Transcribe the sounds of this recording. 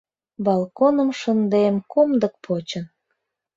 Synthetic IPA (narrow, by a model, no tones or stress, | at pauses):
bɑlˠkonəmʃənd̪emkomd̪ək̚pʰot͡ɕən